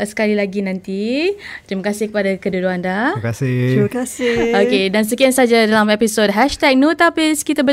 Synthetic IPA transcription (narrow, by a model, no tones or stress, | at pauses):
sə̥kalilaɡinãnt̪it̪ɾimakasɪhkəpadakəduduandakasɪikasɪokedans̬əkiansad͡ʒadalamepisot̚ɦɛʃt̪ɛk̚nut̪apiskit̪abə